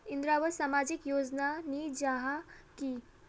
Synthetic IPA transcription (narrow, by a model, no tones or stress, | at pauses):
ind̪ɾaʋəɾsamad͡ʑikjod͡znanid͡ʒaɦaki